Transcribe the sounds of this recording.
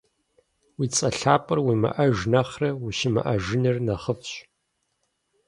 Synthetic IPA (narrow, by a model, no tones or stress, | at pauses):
wiːt͡sʼɐɬaːpʼɨrwiːmɐ̰ʔɐʒnɐχrɐwiʃɪmɐ̰ʔɐʒɪnɨrnɐχəfɕ